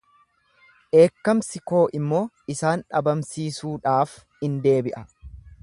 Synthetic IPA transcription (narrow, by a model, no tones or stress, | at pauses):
ʔe̞ːkːɐmsɪko̞ːʔɪmːo̞ː | ɪsaːnᶑɐbɐmsiːsuːᶑaːf | ɪnd̪e̞ːbɪʔɐ